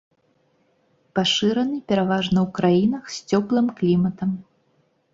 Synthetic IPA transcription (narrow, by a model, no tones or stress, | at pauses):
paʂɨɾɐnɨpʲɛɾavaʐnɐwkɾajinɐxsʲt͡sʲɔplˠɨmklʲimɐt̪ɐm